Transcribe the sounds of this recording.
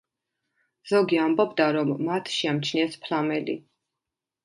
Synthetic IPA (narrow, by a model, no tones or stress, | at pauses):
z̥ɔɡiambɔbd̪aɾɔmːat̪ʰʃiamt͡ʃʰniɛspʰlamɛlḭ